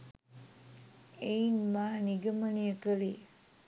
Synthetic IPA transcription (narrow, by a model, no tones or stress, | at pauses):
einmaːniɡəmənijəkəli